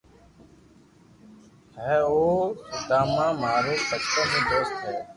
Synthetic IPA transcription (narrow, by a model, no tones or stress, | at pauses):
ɦɛ̃ːoːt̪aːmãːmaːɾeːsəktõːmẽːd̪oːst̪ɦeː